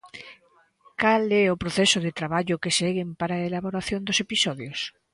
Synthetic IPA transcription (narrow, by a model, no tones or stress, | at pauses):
kalɛopɾoθɛsʊðet̪ɾaβaʎʊkesɛɣempaɾaelaβoɾaθjõnd̪osepisɔðjos